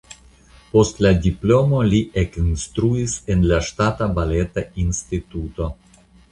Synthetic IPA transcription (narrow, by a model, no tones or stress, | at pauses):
post̪lad̪iplomoliʔekinst̪ɾuisenlaʃtat̪abalet̪ainst̪it̪ut̪o